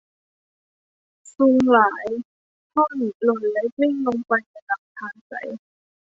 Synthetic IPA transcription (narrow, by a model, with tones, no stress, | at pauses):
su˧ŋlaː˩˦j | k̪ʰɔː˥˩liː˨˩lo˧˩nlɛ˦˥ke˥˩ŋlo˧ŋpa˧jna˧˩na˨˦˩p̚t̪ʰaː˧nsa̰˨˦j